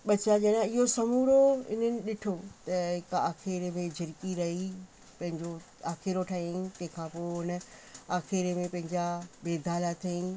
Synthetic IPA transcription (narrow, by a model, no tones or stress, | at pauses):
ɓɐt͡ɕad͡ʑɐɗãɪɦosɐmuːɾoɪ̰n̤ənɪ̆ɗɪʈʰot̪ɐɦɪkaːxɪɾmẽd͡ʑɪɾkiɾɐɦi | pɐ̃ɦɪ̃ɲd͡ʑo | aːxɪɾoʈʰaĩt̪ɐ̃ɦɪ̃kʰãːpoːɦɪnə̆aːxɪɾemẽpɐ̃ɦɪ̃ɲd͡ʑabeːd̪ʱaːlat̪ʰɐĩ